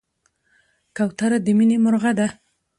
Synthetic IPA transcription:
kawt̪aɾad̪əminemʊɾɣad̪a

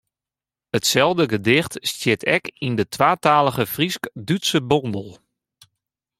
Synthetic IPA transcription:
ətsɛlˠvdəɡədɪxtstjɪtʰɛkindətʋaːtaːlˠəɣəfriskdytsəbɔndəlˠ

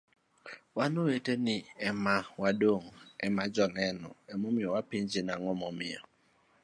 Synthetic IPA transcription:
wanoweteniɛmawadoŋɛmad͡ʒɔnɛnɔ̰ɛmɔmɪɔwapiɲd͡ʒinaŋɔmɔmɪ̰ɔ̰

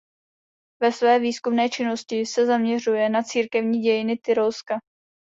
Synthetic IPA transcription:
vɛsvɛːviːskumnɛːt͡ʃɪno̞scɪsɛzamɲɛr̝ujɛnat͡siːɾkɛvɲiːɟɛjɪnɪt̪ɪɾolska

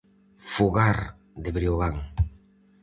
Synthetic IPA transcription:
fuɣaɾ | d̪eβɾioɣaŋ

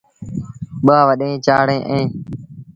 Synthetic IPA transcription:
ɓaːʋəɗẽːt͡ʃaːɽẽːʔẽː

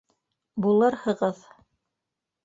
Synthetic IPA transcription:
bulˠɤɾhɤ̆ʁɤð

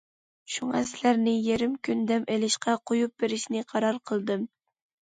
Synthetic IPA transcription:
ʃuŋɑsɪlæɾnɪjeɾɪmkʲynd̪ɛmʔelɪʃqɑqʰojup̚beɾɪʃnɪqʰɑɾɑɾqʰəlˠd̪ɨm

